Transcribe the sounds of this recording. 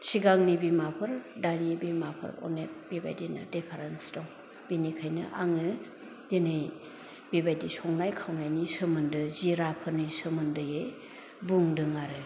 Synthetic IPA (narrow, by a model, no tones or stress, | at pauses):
siɡaŋnibimapʰɯɾdanibimapʰɯ̰ɾɔ̰net̚biba̰jdinɐ̰depʰaɾensdɔŋ | b̥inikʰajnɯʔaŋɯ | d̥enɯj | bibajdisʰɔŋnajkʰawnajnisɯmɯndɯziɾapʰɯɾnɯjsɯmɯndɯje | buŋdɯŋaɾɯ